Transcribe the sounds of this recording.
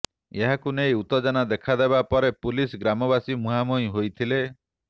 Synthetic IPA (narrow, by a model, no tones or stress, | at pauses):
eɦakunejut̪ɔd͡ʒanad̪ekʰad̪ebapɔɾepulisɡɾamɔbasimuɦamoj̃ɦojt̪ʰile